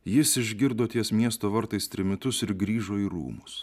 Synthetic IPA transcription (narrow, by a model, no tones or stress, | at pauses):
jɪsɪʒʲɡʲɪɾd̪oːt̪ʲiɛsmʲiɛst̪oːʋɐɾt̪ɐɪst̪ʲɾʲɪmʲɪt̪ʊsɪɾɡɾʲiːʒoːiːɾṵːmʊs